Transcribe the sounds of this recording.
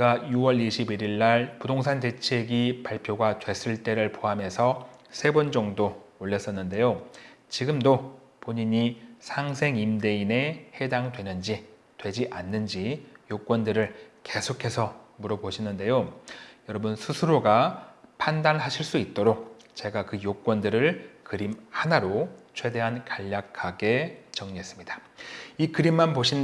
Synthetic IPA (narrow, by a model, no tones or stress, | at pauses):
ɡajuwʌɭiɕʰibiɾiɭːaɭpudoŋsʰante̞t͡ɕʰe̞ɡipaɭpʰjoɡadwe̞s͈ɯɭt͈e̞ɾɯɭpoɦame̞sʰʌsʰe̞bʌnd͡ʑʌŋdooʎːʌs͈ʌnːɯnde̞jo | t͡ɕiɡɯmdo | poɲiɲisʰaŋsʰe̞ŋimde̞ine̞he̞daŋdwe̞nɯnd͡ʑi | twe̞d͡ʑiʔanːɯnd͡ʑijok͈wʌndɯɾɯɭke̞sʰokʰe̞sʰʌmuɾʌboɕʰinɯnde̞jojʌɾʌbɯnsʰusʰɯɾoɡapʰandanɦaɕʰiɭs͈uit̚t͈oɾok̚ | t͡ɕe̞ɡakɯjok͈wʌndɯɾɯɭkɯɾimhanaɾot͡ɕʰwe̞de̞ɦankaʎːakʰaɡe̞t͡ɕʌŋɲiɦe̞s͈ɯ̥mɲidḁikɯɾimːanpoɕʰin